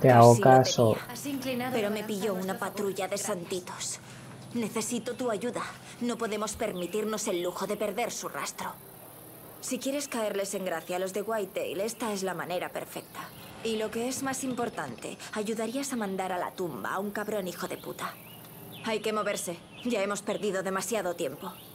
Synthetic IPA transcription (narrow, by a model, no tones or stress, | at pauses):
t̪eaokasoŋklinape̞ɾo̞me̞piʝo̞unapat̪ɾuʝaðe̞sant̪it̪o̞̥s | ne̞θe̞sit̪ot̪uaʝuða | no̞po̞ðe̞mo̞spe̞ɾmit̪iɾno̞se̞lːuxo̞ðe̞pe̞ɾðe̞ɾsura̰st̪ɾo | sikje̞ɾe̞skae̞ɾle̞se̞ŋɡɾaθjaːlo̞zðe̞ɣwajt̪ḛjle̞st̪ae̞zlamane̞ɾape̞̰ɾfe̞k̚t̪a | ilo̞ke̞e̞zmasimpo̞ɾt̪ant̪e̞̰aʝuðaɾiasamãnd̪aɾala̰t̪umba̰uŋkaβɾo̞nixo̞ðe̞pṵt̪a | ajke̞mo̞βe̞ɾse̞ | ɟ͡ʝae̞mo̞spe̞ɾðiðo̞ðe̞masjaðo̞t̪je̞mpo̞